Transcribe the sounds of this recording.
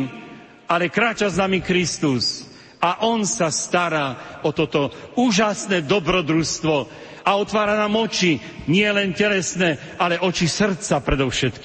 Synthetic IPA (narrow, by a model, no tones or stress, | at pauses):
alɛkɾaːt͡ʃaznamikɾist̪us | aʔɔnsast̪aɾaɔt̪ɔt̪ɔuːʒasnɛd̪ɔbɾɔd̪ɾust̪ʋɔ | aɔt̪ʋaːɾanaːmɔt͡ʃi | ɲɪɛlɛncɛlɛsnɛː | alɛʔɔt͡ʃisr̩t̪t͡sapɾɛd̪ɔfʃɛt̪ki